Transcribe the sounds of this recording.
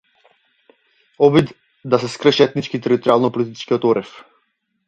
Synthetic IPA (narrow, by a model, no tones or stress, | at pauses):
ɔbid̪ | d̪asɛskɾəʃɛɛt̪nit͡ʃkit̪ɛɾit̪ɔɾialˠnɔpɔlit̪it͡ʃkiɔt̪ɔɾʔɛf